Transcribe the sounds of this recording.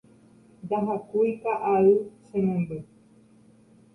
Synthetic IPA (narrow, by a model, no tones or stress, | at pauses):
nd̪aɦakujkaʔaɨsẽmẽmbe